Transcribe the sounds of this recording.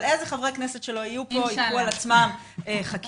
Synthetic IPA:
lezeχavʁeknesetʃe̞lo̞ijupo̞iualat͡smam | eχak

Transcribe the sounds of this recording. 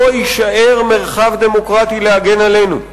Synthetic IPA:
oiʃaʔe̞ʁme̞ʁχavd̪e̞mo̞kʁat̪ileaɡe̞nale̞jnṵ

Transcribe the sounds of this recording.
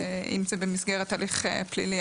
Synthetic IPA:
ʔḭmzebemisɡeʁet̪aːliχeplḭli

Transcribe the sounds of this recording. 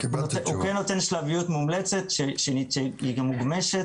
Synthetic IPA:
kotukenːot̪enʃlavijut̪mumlet͡se̞t̪ʃeʃeiʃeiɡamuɡme̞ʃet

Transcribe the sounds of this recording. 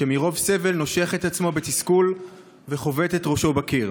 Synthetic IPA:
ʃemiʁo̞vse̞ve̞lno̞ʃeaχe̞t̪at͡smo̞bet̪iskul | veχo̞ve̞t̪et̪ʁo̞ʃo̞bakiʁ

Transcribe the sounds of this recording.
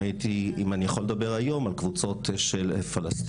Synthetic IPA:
it̪iimanijaχold̪abe̞ʁajo̞malkvut͡so̞t̪ʃelfalast̪

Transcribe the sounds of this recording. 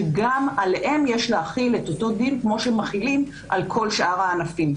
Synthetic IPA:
ɡamaleʔe̞mje̞ʃleaχile̞to̞to̞dinkmo̞ʃemaχilim | ʔalkʰo̞lʃʔaʁaːnafim

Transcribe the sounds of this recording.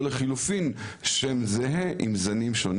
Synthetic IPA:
leχilufinʃemzeɦeʔḭmzanimʃon

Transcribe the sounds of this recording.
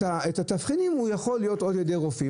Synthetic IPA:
aetatafχidimujaχo̞lːijo̞to̞djedeʁofi

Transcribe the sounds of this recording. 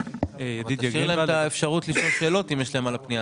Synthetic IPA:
jadiiʁlaemt̪aefʃaʁut̪liʃo̞lʃe̞ːlo̞t̪imjeʃlaemalapnija

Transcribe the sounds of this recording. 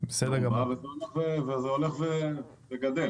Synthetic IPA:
besed̪eʁɡamavezeoleχvevezeoleχve | veɡad̪el

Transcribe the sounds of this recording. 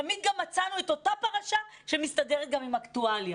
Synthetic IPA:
amid̪̚ɡamːat͡sanueto̞tapaʁaʃa | ʃemistadeʁet̚ɡamimaktualja

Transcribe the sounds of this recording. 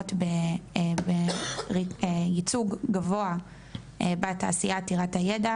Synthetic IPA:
tbebeiejit͡suɡɡavoa | ebata̰ːsijatiʁathajeda

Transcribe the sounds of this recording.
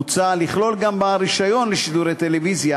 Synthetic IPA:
ut͡saliχlo̞lɡambaɾiʃajo̞nleʃid̪uɾet̪elevizja

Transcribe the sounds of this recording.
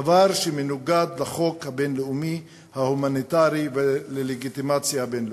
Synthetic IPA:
vaʁʃemenuɡad̪laχo̞khabenleumi | hahumanit̪aʁiveleleɡit̪imat͡sjabenl

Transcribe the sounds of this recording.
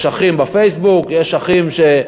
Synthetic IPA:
ʃaχimbafejsbukjeʃaχimʃe

